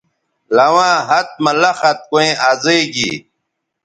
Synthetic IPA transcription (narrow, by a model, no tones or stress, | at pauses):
lɐwãːɦɐt̪̚mɐlɐxɐt̪̚koẽʔaːzeɡḭː